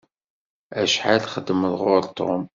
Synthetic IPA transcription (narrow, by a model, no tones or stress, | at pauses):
æʃħalχəd̪ːəməðʁʊɾt̪ʰˤːom